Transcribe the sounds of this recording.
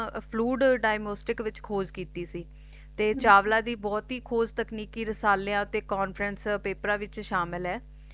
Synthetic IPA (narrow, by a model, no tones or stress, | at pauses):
pʰluːɖɖaːɪmoːsʈɪkʋɪt͡ʃkʰoːzkiːt̪iːsiː | t̪eːt͡ʃaːʋlãːd̪iːbɔːt̪ɦiːkʰoːzt̪əkniːkiːɾəsaːleãːt̪eːkɔːnpʰɾənspeːpɾãːʋɪt͡ʃʃaːmɪlɦɛː